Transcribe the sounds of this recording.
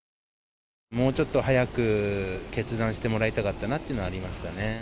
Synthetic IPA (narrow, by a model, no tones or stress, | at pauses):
mo̞ːt͡ɕo̞t̪ːo̞hajakɯ̟ke̞t͡sɨd̪ãɰ̃ɕi̥t̪e̞mo̞ɾait̪akat̪ːanat̪ːeɯnoaːɾʲimasɨ̥kane̞